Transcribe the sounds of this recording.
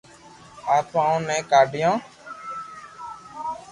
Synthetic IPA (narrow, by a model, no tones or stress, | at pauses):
aːp̪ãːũːnɛ̃ːkaːɖɪjõː